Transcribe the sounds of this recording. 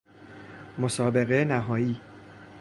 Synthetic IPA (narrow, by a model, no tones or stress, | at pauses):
mosɒːbe̞ɣe̞næɦɒːjiː